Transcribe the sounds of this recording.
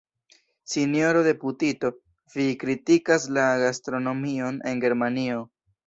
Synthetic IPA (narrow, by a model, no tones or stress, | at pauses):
sinjo̞ɾo̞de̞putito̞ | vikɾitikaslaɡastɾo̞no̞mio̞ne̞nɡe̞ɾmanio̞